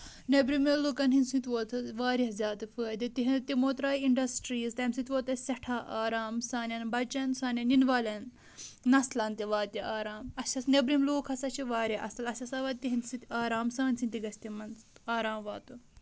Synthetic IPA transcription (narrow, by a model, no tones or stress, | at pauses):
nʲebɾimeloːkɐnɦinʲsĩnt̪ʲʋoːt̪ʰɐʋaːɾɐzʲaːt̪ɨfəːd̪it̪iɦit̪imoːt̪ɾaːiiɳɖɐsʈɾiːzt̪ɐmsit̪ʲʋoːt̪ɐsɐʈʰaːʔaːɾaːmsaːnʲɐnbɐt͡ʃɐnsaːnʲɐninʋaːlʲɐn | nɐslɐnt̪ʲiʋaːt̪iaːɾaːmɐsɐsnebɾimloːkʰɐsɐt͡ʃʰiʋaːɾɐʔɐ̰sɐlɐsʲɐsaʋɐt̪ːiɦinʲsĩt̪ʲaːɾaːmsaːnʲsint̪iɡɐsʲt̪imɐnsaːɾaːmʋaːt̪u